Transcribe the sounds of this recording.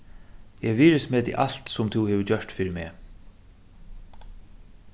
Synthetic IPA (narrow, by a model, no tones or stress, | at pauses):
jɛʋiːɾɪsmɛːt̪ʰɪ̰ʔal̥t̪sʊmt̪ʰuwheːʋəd͡ʑœʂt̪fiːɾɪɾmɛ̰ː